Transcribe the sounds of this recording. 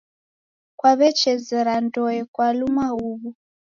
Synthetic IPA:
kwaβɛt͡ʃɛzɛɾandɔɛkwalumauβu

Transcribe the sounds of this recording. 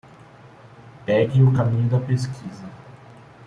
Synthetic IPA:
pɛɡɪ̃ʊkamĩɲʊd̪ɐpeskʰizɐ

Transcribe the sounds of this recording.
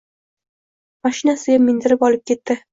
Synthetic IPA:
maʃɪnasɪɡʲamːɪnd̪ɪɾɪpɒlɪp̚kʲʰe̞t̪ːɪ

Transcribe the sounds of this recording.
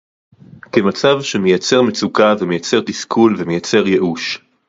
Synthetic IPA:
kemat͡savʃemejat͡se̞ʁme̞t͡sukavemejat͡se̞ʁt̪iskʰulvemejat͡se̞ʁje̞ʔuʃ

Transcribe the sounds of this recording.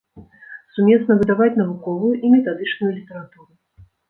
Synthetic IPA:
sumʲɛsn̪ɐvɨd̪avat͡sʲn̪ɐvukɔvujuʔimʲɛt̪ad̪ɨt͡ʂnujulʲit̪ɐɾat̪uɾu

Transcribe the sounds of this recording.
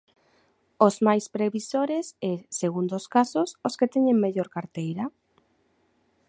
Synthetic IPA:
ozmajspɾeβisoɾeseseɣund̪oskasʊsosket̪ɛɲeŋmeʎoɾkaɾt̪ejɾɐ

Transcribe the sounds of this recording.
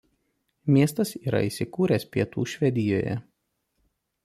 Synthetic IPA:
mʲiɛst̪ɐsiːɾɐ̰iːˑsʲɪkuːɾʲɛspʲiɛt̪uːʃʲʋʲɛd̪ʲɪjoːjɛ̰

